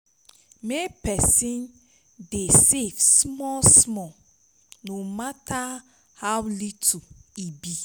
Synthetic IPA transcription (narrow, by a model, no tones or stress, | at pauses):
mepɛsĩn | desevsmɔlsmɔ | nomata | hawlituibi